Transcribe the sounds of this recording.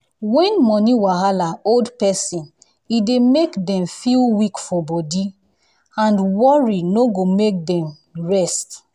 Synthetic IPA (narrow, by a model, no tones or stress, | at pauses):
wɛ̃nmɔniwaɦalaoldpɛsĩn | idemekdɛ̃mfilwikfɔbɔdi | ãndwɔɹinoɡomek̚dɛ̃m | ɹɛst